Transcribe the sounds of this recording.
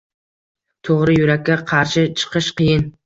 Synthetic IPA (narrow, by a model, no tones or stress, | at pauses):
t̪ʰoʁɾɨjuɾækʲːaqʰɑɾʃɪt͡ʃʰɨ̥qʰɨʃqʰɨjɪn